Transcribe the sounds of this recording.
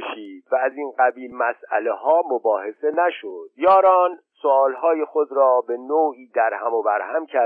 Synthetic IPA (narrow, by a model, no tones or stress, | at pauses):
ʃiːd̪̥væːziːnɢæbiːlmæsʔæ̰le̞hɒːmobɒːhe̞se̞næʃod̪̥jɒːɾɒːn | soɒːlhɒːje̞xo̞d̪ɾɒːbe̞noːiːd̪æɾhæmobæɾhæmcʰæ